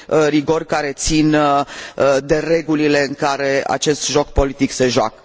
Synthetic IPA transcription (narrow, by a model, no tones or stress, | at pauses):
riɡo̞rkaɾe̞t̪sin | d̪e̞re̞ɡulile̞ɨŋkaɾe̞a̰t͡ʃe̞st̪ʒo̞kpo̞lit̪ikse̞ʒoa̰kə̥